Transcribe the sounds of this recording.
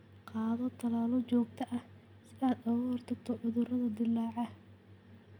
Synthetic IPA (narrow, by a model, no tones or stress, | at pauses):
qɑːðɔt̪ʰɐlaːlɔt͡ʃɔːɡt̪ʰɐʔɐh | sɪðaːd̪ɐwɔːrt̪ʰɐt̪ʰɔʔʊðʊrɐðɐd̪ɪlːɑːʕɑ